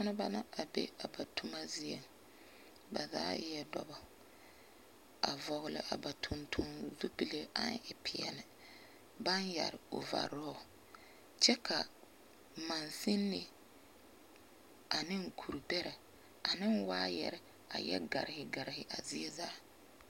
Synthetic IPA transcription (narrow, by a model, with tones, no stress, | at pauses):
a˦nɪ˦ba˦na˦ʔa˨bḛ˦a˨ba˨tʰu˦ma˦zɪ˦e˨ | ba˨za̰ː˦jɛ˦dɔ˨bɔ˨ | a̰˨vɔ˨ɣɪ˦lɪ̰˦ʔa˨ba˨tʰʊ˨ntʰʊ˨nzu˦pi˨le˦a˦n˦ɪ˨pʰɪ˨ɛ˨nɪ˨ | ba˦nja̰˨ɾɪ˨ʊ˨va̰˨ɾɔ˦˨ | t͡ʃɛ˦kʰa˨ | ma˨nsɪ˦nːɪ˦ | a˨nɪ˦ŋ˨kʰu˨ɾu˨bɛ˦ɾɛ˨ | a˨nɪ˦nwaː˦jɛ̰˨ɾɛ˨ | a̰˨jɛ̰˦ɡa˨ɾɪ˨hɪ˨ɡa˨ɾɪ˨hɪ˨ʔa˨zɪ˦ɛ˦zaː˨˦